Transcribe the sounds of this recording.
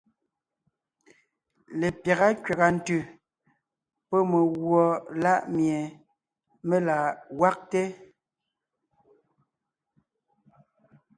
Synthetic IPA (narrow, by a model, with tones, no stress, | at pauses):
le˨pja˨ɣa˦kɥa˨ɣa˨n̩˨tʉ˨ | pɔ˦me˨ɣwɔ˨la˦ʔmje˨ | me˦la˨wa˦k̚te˦